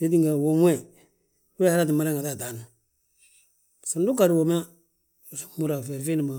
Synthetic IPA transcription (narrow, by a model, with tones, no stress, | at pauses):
se˦di˦ŋɡa˨wo˨m˦e˦˨ | we˦ha˦ɾa˦ti˨ma˦ɾa˦ŋɡa˨ta˦˨ta˨na˨ | sa˨n˦du˦ka˨ɾi˦wo˨m˦a˦˨ | mu˦ɾa˨fɛ˨ɾfi˦ni˨ma˨